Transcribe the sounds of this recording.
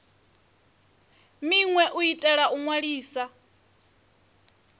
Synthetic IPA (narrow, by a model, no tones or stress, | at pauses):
miŋwɛʔuitʼɛɺaʔuŋwaɺiːsa